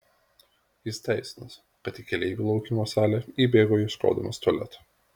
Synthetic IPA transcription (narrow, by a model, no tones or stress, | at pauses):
jɪst̪ʲæɪsʲɪnos | kɐt̪iːkʲɛlʲɛɪɡʲuːlˠɒʊkʲɪmoːsɑːlʲɛibʲeːɡoːjɪʃko̰ːd̪ɐmɐst̪oɔlʲɛ̰t̪